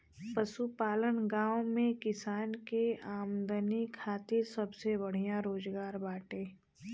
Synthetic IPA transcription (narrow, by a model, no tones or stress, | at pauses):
pəʃupaːlənɡãːwmẽkɪsaːnkeaːmd̪ənikʰaːt̪ɪɾsɐbsebɐɽ̤ijãɾoːd͡ʒɡaːɾbaːʈẽː